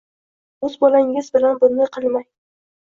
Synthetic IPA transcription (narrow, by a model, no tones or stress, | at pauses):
ɵzbɒlaŋʲɪzbɪlanbʊnːɪqʰɨlˠmaj